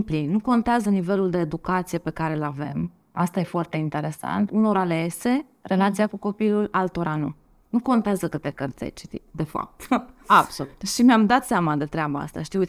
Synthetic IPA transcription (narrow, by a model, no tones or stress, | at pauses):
mplinnuko̞nt̪eazənive̞luld̪e̞ːd̪ukat̪sijepe̞kaɾe̞lave̞̰m | a̰st̪aje̞foart̪e̞int̪e̞ɾe̞sa̰nt̪uno̞ɾalese̞ | re̞lat̪sijakuko̞pilulalt̪oɾanṵ | nuko̞nt̪eazəkɨt̪ekərt̪sḛjt͡ʃi̥t̪ḭd̪e̞fa̰p̚t̪ab̥solut̪ʃimeamd̪at̪seamad̪e̞t̪ɾeabaa̰st̪a̰ʃt̪iut̪ʲ